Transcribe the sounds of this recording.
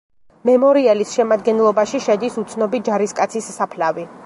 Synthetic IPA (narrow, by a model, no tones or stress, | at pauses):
mɛmɔɾiɛlisʃɛmad̪ɡɛnlˠɔbaʃiʃɛd̪isut̪sʰnɔbid͡ʒaɾiskʼat̪sʰisːapʰlavi